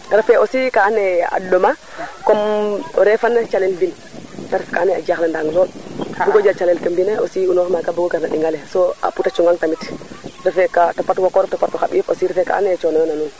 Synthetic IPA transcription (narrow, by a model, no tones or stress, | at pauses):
ɾafɛʔosikanɛa̰doma | komɔɾɛfanːet͡ʃalɛlvin | taɾfkanɛa̰d͡ʒaxlandaŋlɔɗbuɡod͡ʒat͡ʃalɛlkəmbinɛosiunɔɾmakabuɡoɡaɾnaɗiŋɡalɛsoa̰putat͡ʃuŋɡaŋtamitɾɛfɛkatapatwakɔɾɛftapatɔxaɓifosiɾɛfɛka̰ːnɛt͡ʃɔnɔjɔnanun